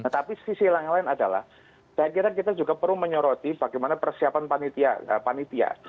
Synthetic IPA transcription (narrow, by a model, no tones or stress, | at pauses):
nat̪apisisilaŋalaɪnadala̰h | d̥akiɾank̬it̪ad͡ʒuɡapəɾuməɲɔɾot̪ibaɡejmanapərsiapanpanit̪ia̰ə̰panit̪ia̰